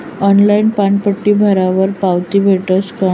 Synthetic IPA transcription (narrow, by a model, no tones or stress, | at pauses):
ɔnlainpaɳpəʈːiːbʱəɾaʋəɾpawt̪iːbʱeʈəska